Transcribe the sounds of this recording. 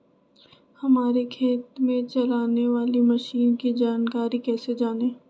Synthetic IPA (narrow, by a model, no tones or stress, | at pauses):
hɐmaːɾekʰeːt̪mẽt͡ʃɐlaːneʋaːlimɐʃiːnkid͡ʒaːnkaːɾikɛːsed͡ʒaːneː